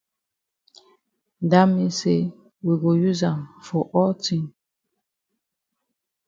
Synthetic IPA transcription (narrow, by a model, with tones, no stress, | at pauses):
n˨da˦mi˦se˦ | wi˨ɡo˨ju˦za˨nfɔ˨ʔɔ˦ti˦ŋ